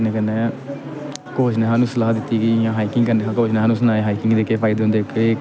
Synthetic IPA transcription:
neːkənːeː | koːd͡ʒnẽːɦaːnũːsəlaːɦd̪ɪt̪ːiːɡiːjãːɦaːiːkɪŋɡkəneːãkoːd͡ʒneːɦaːnũːsənaːeɦaːiːkɪŋɡd̪eːkeːpʰaːɪd̪eɦʊnd̪eːkeː

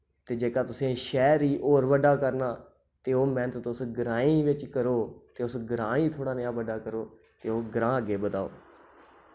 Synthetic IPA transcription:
t̪eːd͡ʒeːkaːt̪ʊsẽːʃɛːɾiːʔoːɾʋəɖaːkəɾnaː | t̪eːoːmɛ̃ːt̪ːt̪ʊsɡəɾãːĩːʋɪt͡ʃkəɾoːt̪eːʊsɡəɾãːiːt̪ʰoːɽaːnɪjãːʋəɖaːkəɾoː | t̪eːoːɡəɾãːəɡeːbəd̪aːo̰ː

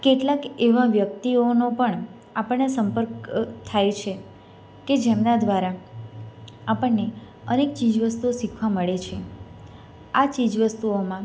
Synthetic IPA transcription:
keʈlakeʋãʋjək̚t̪ionopəɳ | apəɳːesəmpəɾkt̪ʰːajt͡ʃʰe | ked͡ʒemnãd̪ʋaɾa | apəɳne | ənek̚t͡ʃid͡ʒʋəst̪uoʃikʰʋaməɭet͡ʃʰe | at͡ʃid͡ʒʋəst̪uomã

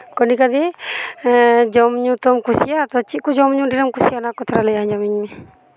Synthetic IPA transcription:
kɔnikad̪ɛ | d͡ʒɔmɲũt̪ɔmkusijat̪ɔt͡ʃikud͡ʒɔmɲũɖiɾɔmkusijanakɔt̪ʰɾaləjaɲd͡ʒamiɲmi

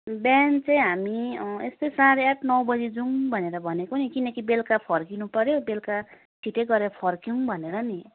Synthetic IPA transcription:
bant͡saĩɦamiest̪ʌjsaɾeaʈʰnʌwbʌd͡zid͡zuŋbʱʌneɾʌbʱʌnekonikinʌkibelkapʰʌrkinupʌɾjobelka | ʈʰiʈeɡʌɾeɾʌpʰʌrkjiŋbʱʌneɾʌni

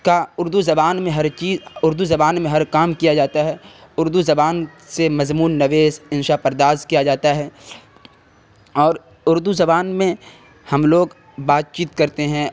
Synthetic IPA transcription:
kaʊɾd̪uzɐbaːnmẽɦɐɾt͡ʃiːzʊɾd̪uzɐbaːnmẽɦɐɾkaːmkijad͡ʒaːt̪aɦɛʊɾd̪uzɐbaːnsemɐzmuːnːɐʋeːzɪ̃nʃapɐɾd̪aːskijad͡ʒaːt̪aɦɛː | ɔːɾ | ʊɾd̪uzɐbaːnmẽ | hɐmloːɡ | baːt̪̚t͡ʃiːt̪kɐɾt̪eɦɛ̃

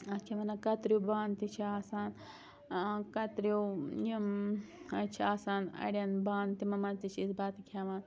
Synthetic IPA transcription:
ɐt͡ʃʰɐmɐnɐkɐt̪ɾjubaːnt̪it͡ʃʰiaːsaːn | kɐt̪ɾujimɐt͡ʃʰiaːsaːnɐ̰ɽʲjɐnbaːnt̪imɐmɐnt̪it͡ʃʰisbaːt̪ikʲʰaːman

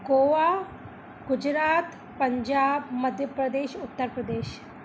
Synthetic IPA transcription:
ɡoːʋaː | ɡʊd͡ʒɾaːt̪ | pɐɲd͡ʒaːbmɐd̪ʱjəpɾəd̪eːʃʊt̪ːəɾpɾəd̪eːʃ

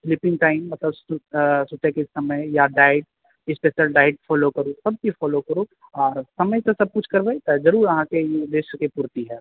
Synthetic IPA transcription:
fʰɪlɪpɪ̃ŋɡʈaːɪmːɐt̪ləbsʊsʊʈ̪ekesɐməjjaɖaːɪʈ̚ | ɪspeːʃəlɖaːɪʈ̚fʰɔːlokɐɾosɐb̚kifʰɔːlokɐɾoɔːɾsɐməjsesɐb̚kʊt͡ʃʰkɐɾbejt̪ɐzɐɾuːɾɐɦãkejed̪eːʃkepuːɾt̪iɦɛː

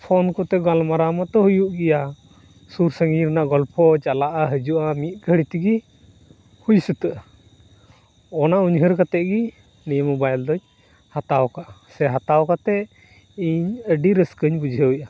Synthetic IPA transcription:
pʰɔnkɔt̪ɛɡalmaɾamat̪ɔɦujuʔɡɛja | suɾsəŋɡiɾnaʔɡɔlpʰɔt͡ʃalaʔaɦəd͡ʒuʔamit̪̚ˀɡʱəɽit̪iɡi | hujsət̪əʔ | ɔnauɲɦəɾkat̪ɛʔɡi | nijmɔbajld̪ɔɲ | hat̪awkaʔasɛɦat̪awkat̪ɛ | iɲəɖiɾəskəɲbud͡ʒʱəwʔa

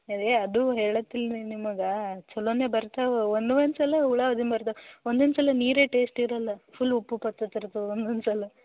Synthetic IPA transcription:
ɐd̪eɐd̪uɦeːɭɐt̪ːilnimɐɡɐt͡ʃɔlːoːneːbɐɾt̪aʋeond̪uʋɐnsɐlːɐuɭɐɐd̪inbɐɾt̪ɐond̪ɐnsɐlːɐniːɾeːʈeːsʈiɾɐlːɐpʰulːupːupɐt̪ːɐt̪ːiɾt̪uond̪ɐnsɐlːɐ

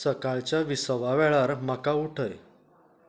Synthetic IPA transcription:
səkaɭt͡ɕjaʋisəʋaʋɛɭaɾm̤akauʈʰəj

